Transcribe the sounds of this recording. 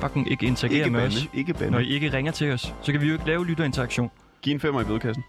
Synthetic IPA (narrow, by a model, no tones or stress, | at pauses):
fɑ̈ɡ̥ŋ̩ʔe̝ɡ̥əe̝nt͡sʰæɡḛːɐmeɒnseɡ̥əb̥ænɒdie̝ɡ̥əʁeŋɐt͡sʰe̝lɒ̽ssɒ̽kʰæʋijoe̝ɡ̥əlɛːʊlydɐe̝nt͡sʰɐɑɡ̥ɕo̝̰ːn | ɡ̥ḭːenfemɐib̥eðˠkʰæs̬n̩